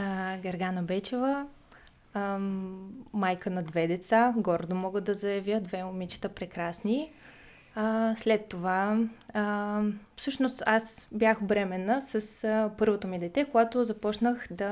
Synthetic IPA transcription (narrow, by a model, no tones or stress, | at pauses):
ɡɐɾɡanəbɛt͡ʃɛvə | majkənɐd̪vɛd̪ɛt̪saɡɔɾd̪omɔɡəd̪ɐzɐjɐvʲjəd̪vɛomit͡ʃi̥t̪əpɾɛkɾasni | slɛt̪ːova | fsɤʃnost̪asbʲjaxbɾɛmɛnːəsəspɤɾvot̪omid̪ɛt̪ɛkoɡat̪ozɐpɔt͡ʃnəxd̪ɐ